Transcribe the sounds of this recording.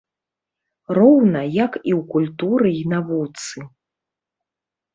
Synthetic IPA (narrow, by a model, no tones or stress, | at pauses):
rɔwnɐjakiwkulʲt̪uɾɨinavut̪sɨ